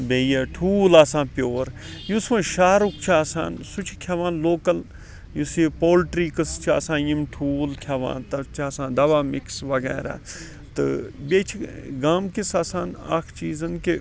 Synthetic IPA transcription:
beːjaːʈʰuːlaːsãːpjoːɾ | jusʋãːʃaːɾukt͡ʃʰiaːsa̰ːnsut͡ʃʰi̥kʰaʋaːnloːkɐl | jusipoːlʈɾiːkɨst͡ʃʰia̰ːsãːjimʈʰuːlkʰɐʋã̰ːnt̪ɐt͡ʃʰaːsãːd̪ɐʋaːmiksʋɐɡɛ̰ːɾa̰ː | t̪ɨ̰bet͡ʃʰɡaːmkisaːsaːna̰kʰt͡ʃiːzɐnki

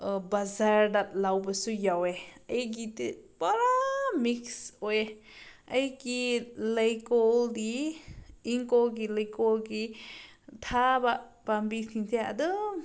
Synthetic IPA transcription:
bazaɾdat̚lawbasujaweɐjɡitɯpaɾamiksoje | ajɡilajkɔldiː | ŋkɔlɡilajkɔlɡi | tʰabapambitʰiŋtʰea̰dɔ

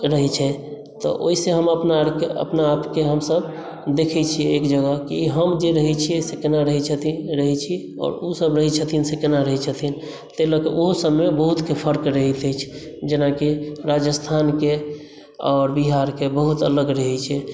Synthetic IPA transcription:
ɾəɦɛt͡ʃʰɛ | t̪ɔ̰ʔo̰ɦiseɦəməpnakeə̰pnaːpkeɦəmsəb | d̪ekʰɛt͡ʃʰijeːkd͡ʒəɡəkiɦəmd͡ʒeɾəɦɛt͡ʃʰiesekenaɾəɦɛt͡ʃʰət̪iɾəɦɛt͡ʃʰi | ɔ̰ːɾusəbɾəɦɛt͡ʃʰət̪ʰinsekenaɾəɦɛt͡ʃʰət̪ʰin | t̪eləkeʔoɦosəbmebəɦut̪kepʰəɾkɾəɦɛt̪əjt͡ʃʰ | d͡ʒenakiɾad͡ʒəst̪ʰanke | ɔːɾbiɦaɾkebəɦut̪ə̰ləɡɾəɦɛt͡ʃʰɛ

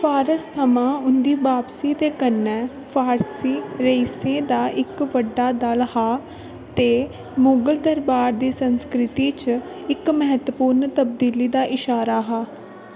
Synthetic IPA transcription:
pʰaːɾəst̪ʰəmãːʊnd̪iːbaːpsiːd̪eːkənːɛː | pʰaːɾsiːɾeisẽːd̪aːʔɪkʋəɖːaːd̪əlhaː | t̪eː | moːɡəld̪əɾbaːɾd̪iːsənskɾɪt̪iːt͡ʃ | ɪkməɦət̪əpuːɾnt̪əb̚d̪iːliːd̪aːʔɪʃaːɾaːɦaː

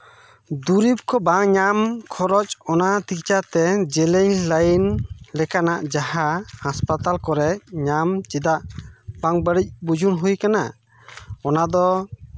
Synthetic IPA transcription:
d̪uɾip̚kʰɔbaŋɲamkʰɔɾɔt͡ʃɔnat̪ikt͡ʃat̪ɛd͡ʒɛlɛɲlajnlɛkanaʔd͡ʒahahaspat̪alkɔɾɛɲamt͡ʃid̪aʔbaŋbəɽic̚bud͡ʒunɦujkana̰ | ɔnad̪ɔ

